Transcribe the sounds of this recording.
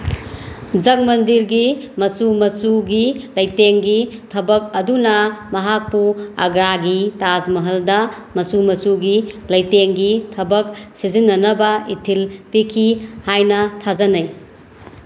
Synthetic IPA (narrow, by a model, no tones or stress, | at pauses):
d͡ʒɐk̚mɐndiɾɡimɐsumɐsuɡilɐjteŋɡitʰɐbɐk̚ɐdunɐmɐɦak̚puɐ̰ɡɾaɡitazmɐɦɐldɐ | mɐsumɐsuɡilɐjteŋɡitʰɐbɐk̚sizinːɐnɐbɐitʰilpikʰihajnɐtʰazɐnɐj